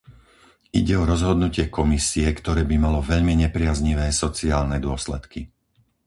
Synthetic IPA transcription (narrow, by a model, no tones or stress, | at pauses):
ḭɟɛɔɾɔzɦɔd̪nucɪɛkɔmisiɛkt̪ɔɾɛːbimalɔʋɛʎmiɲɛpɾɪazɲiʋɛːsɔt͡siaːlnɛd̪ʊɔslɛt̪ki